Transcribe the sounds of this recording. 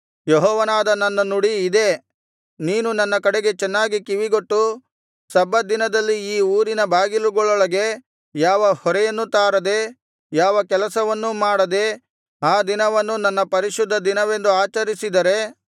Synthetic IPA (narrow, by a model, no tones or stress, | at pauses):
jɔɦɔːʋɐnaːd̪ɐnɐnːɐnuɽiːd̪e̞ | niːnunɐnːɐkɐɽeɡe̞t͡ʃɛnːaːɡikiʋiɡoʈːu | sɐbɐd̪inɐd̪ɐlːiiːuːɾinɐbʱaːɡiluɡɔɭɔɭɐɡe̞ | jaːʋɐhɔɾɛjɐnːut̪aːɾɐd̪e̞ | jaːʋɐkɛlɐsɐʋɐnːumaːɽɐd̪e̞ | aːd̪inɐʋɐnːunɐnːɐpɐɾiʃud̪ʱːɐd̪inɐʋe̞nd̪uaːt͡ʃɐɾisid̪ɐɾe̞